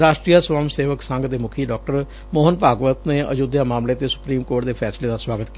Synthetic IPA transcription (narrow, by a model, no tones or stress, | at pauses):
ɾaːʃʈɾiːjaswaːmseːʋəksəŋɡd̪eːmʊkʰiːɖɔːk̚ʈəɾ | moːɦənpaːɡʋət̪neːʔə̰d͡ʒoːd̪jaːmaːmleːt̪eːsʊ̥pɾiːmkoːʈd̪eːpʰɛːsleːd̪aːswaːɡət̪ki